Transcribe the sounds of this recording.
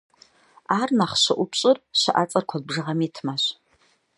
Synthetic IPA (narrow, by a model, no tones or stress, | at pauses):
arnaχʃʷaʔʷʊpʰt͡ʃʼɨrʃʷa̰ʔat͡sʼarkʷʰad̚bʐɨʁamitʰmaɕʷ